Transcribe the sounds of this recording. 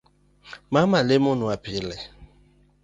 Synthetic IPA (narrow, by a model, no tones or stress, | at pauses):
mamalemʊnuapilɛ